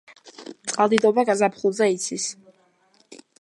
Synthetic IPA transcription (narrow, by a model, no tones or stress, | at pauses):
t̪sʼqʼalˠd̪id̪ɔbaɡazapʰχulˠzɛit̪sʰis